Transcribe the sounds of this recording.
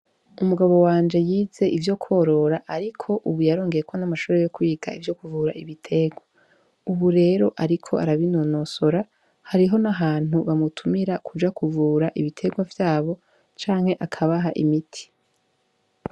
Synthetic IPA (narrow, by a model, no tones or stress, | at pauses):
umuɡaβo̞waːnd͡ʒe̞jiːze̞ʔivjo̞kʰo̞ɾo̞ɾaʔaɾikʰo̞ʔuβujaɾo̞ːŋɡe̞jekʰo̞namaʃuːɾe̞jo̞kuiːɡa̰ivjo̞kuvuːɾaʔiβitʰe̞ɡwa | uβuɾe̞ːɾo̞ʔaɾikʰo̞̰aɾaβinono̞so̞ɾa | haɾiɦo̞naɦaːn̥huβamutʰumiɾakud͡ʒakuvuːɾaʔiβitʰe̞ɡwavjaːβo̞ | t͡ʃaːŋhe̞ʔakʰaβaɦaʔḭmitʰi̥